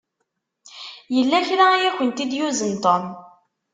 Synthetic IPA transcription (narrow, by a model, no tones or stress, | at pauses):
jəlːæçɾajæçənt̪id̪juzənt̪on